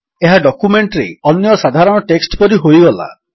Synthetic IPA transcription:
eɦaɖɔkumeɳʈɾeɔnjɔsad̪ʱaɾɔɽ̃ɔʈeksʈpɔɾiɦojɡɔla̰

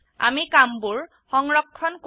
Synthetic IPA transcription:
a̰mikambuɹ | xɔŋɹɔkʰːɔnk

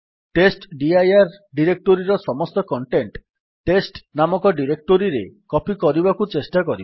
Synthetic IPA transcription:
ʈesʈɖiajaɾɖiɾek̚ʈoɾiɾɔsɔmɔst̪ɔkɔɳʈeɳʈ | ʈːesʈnamɔkɔɖiɾek̚ʈoɾiɾekɔpikɔɾibakut͡ʃesʈakɔɾiba

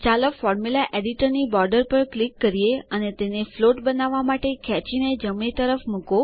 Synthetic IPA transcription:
t͡ʃaləfɔɾmulaʔeɖiʈəɾnibɔɾɖəɾpəɾklikːəɾieənet̪enefloʈbənaʋːamaʈekʰɛt͡ʃined͡ʒəmĩt̪əɾəfmuko

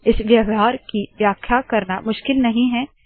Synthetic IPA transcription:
ɪsʋjɐʋɦaːɾkiʋjaːkʰjakɐɾnamʊʃkɪlnɐɦĩɦɛː

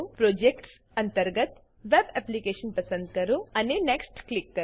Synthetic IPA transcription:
pɾoːd͡ʒek̚ʈs | ɐnt̪ɐɾɡɐt̪ | ʋebeplikeːʂɐnpɐsɐnd̪kɐɾuɐnineksʈklikːɐɾ

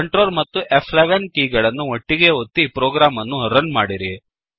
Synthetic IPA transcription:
kɐɳʈɾoːlmɐt̪ːuʔepʰleʋɐnkiːɡɐɭɐnːuʋoʈːiɡe̞ot̪ːipɾoːɡɾaːmɐnːuɾɐnmaːɽiɾi

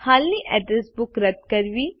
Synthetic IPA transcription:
haːlːiʔɛːɖɾəsbʊkɾɐt̪̚kɐɾʋiː

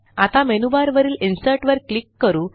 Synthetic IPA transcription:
at̪ãmenubaɾʋəɾiːlinsəʈʋəɾklikːəɾuː

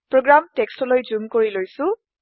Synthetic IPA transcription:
pɹoɡɹamtekstɔlojd͡ʒumkoɹilojsu

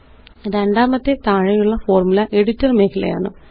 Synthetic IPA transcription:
ɾeɳɖaːmɐt̪ːɨt̪aːɻɐjuɭːɐfo̞ːrmulɐʔe̞ɽitːɐrmeːkʰilɐ̰ja̰ːɳɨ

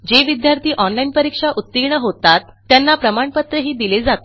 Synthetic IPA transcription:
d͡ʑeʋid̪jaɾt̪iːʔɔnlainpəɾikʂaʔut̪ːiɡɳəɦot̪at̪ːjanːapɾəmaɳpət̪ɾəɦiːd̪iled͡zat̪o

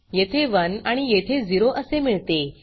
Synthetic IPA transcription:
jet̪ʰeʋənaɽ̃ijet̪ʰed͡ziɾoʔəsemiɭt̪e

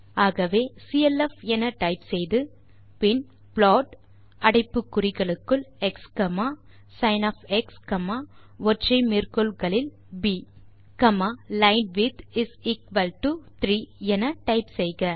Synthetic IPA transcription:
aːɣɐʋeːsiɛlɛfɛnɐʈɐɪpsɛjðɯ | pɪn | pɭoːʈ | ɐɽɐɪpːɯkːʊɾɪɣɐɭɯkːɯɭɛkskɐmaː | sɐɪnɐfɛkskɐmaː | ʋɔʈrɐɪmɪrkɯlɣɐɭɪl | biː | kɐmaːlɐɪnɖʋɪd̪ɪsɪkʋɐlʈut̪ɾiːɛnɐʈɐɪpsɛjɣɐ

